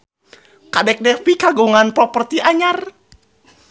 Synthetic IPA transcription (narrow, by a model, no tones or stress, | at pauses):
kadɛk̚dɛfikaɡuŋanpɾɔpərt̪iʔaɲar